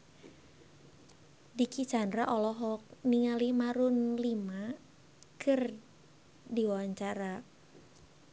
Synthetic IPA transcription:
dikit͡ʃandɾaʔɔlɔɦɔk̚niŋalimaɾunlima | kʰɨr | diwawaɲt͡ʃaɾa

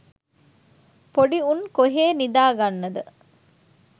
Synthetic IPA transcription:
poɖiunkoɦeːnid̪aːɡanːɐd̪ə

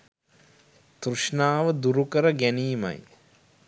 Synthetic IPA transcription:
t̪ɾuʂnaːʋəd̪uɾukəɾəɡæniːma̰j

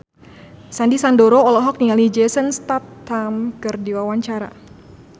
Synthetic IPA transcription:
sandisandɔɾɔːlɔɦɔk̚niŋalid͡ʒɛsənst̪atːamkərdiwawaɲt͡ʃaɾa̰

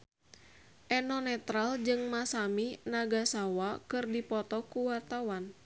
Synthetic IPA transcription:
ʔɛnɔnɛt̪ɾald͡ʒɨŋmasaminaɡasawakɨrdipɔt̪ɔkuwart̪awan

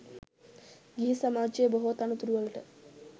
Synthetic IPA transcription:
ɡiɦisɐmaːd͡ʒejboɦot̪ɐnut̪uɾuʋɐlɐʈə

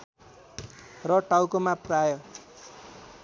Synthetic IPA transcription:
rʌʈawkomaprajʌ

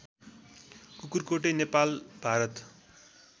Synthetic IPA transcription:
kukurkoʈ̬enepalb̥ʱaɾʌt̪

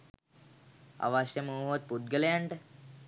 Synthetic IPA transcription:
a̰ʋasjəmuːɦʋat̪̚pud̪̚ɡələjaɳʈə

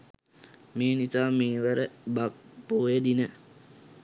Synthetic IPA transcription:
meːnit̪aːmeːʋəɾəbaboːjed̪inə

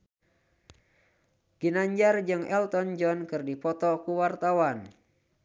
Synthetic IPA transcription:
ɡ̥inaɲd͡ʒard͡ʒɨŋɛlt̪ɔnd͡ʒɔnkɨrdipɔt̪ɔkuwart̪awan

